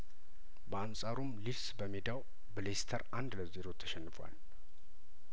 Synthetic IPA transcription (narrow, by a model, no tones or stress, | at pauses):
bəansʼaɾumlilsbəmed̪aw | bəlest̪ʰəɾʔand̪ləzeɾo̞t̪ʰːə̥ʃɛnːɨfa̰l